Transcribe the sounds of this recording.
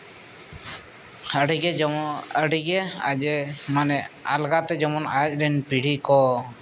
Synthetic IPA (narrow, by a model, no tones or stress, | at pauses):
əɽiɡɛəɽiɡɛad͡ʒɛmanɛa̰lɡat̪ɛd͡ʒɔmɔnac̚ˀɾɛnpiɽ̤ikɔ